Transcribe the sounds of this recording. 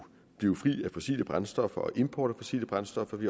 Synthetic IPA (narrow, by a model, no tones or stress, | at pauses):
b̥liʊfʁḭːæfɒ̽sḭːləb̥ʁansd̥ɒ̽fɐʔɒ̽ʔe̝mpʰɒ̰ːɾ̥æfɒ̽sḭːləb̥ʁɑ̈nsd̥ɒ̽fɐʋi